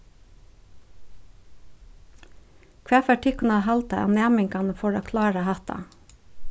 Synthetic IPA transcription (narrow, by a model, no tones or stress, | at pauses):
kʰʋæːfæʈʰɪkn̩ɑhɑlt̪ɑ̰ʔɑ̰ːnæːmɪŋkɑnəfɔɹoːkʰlɑːɹɑhɑt̪ɑ̰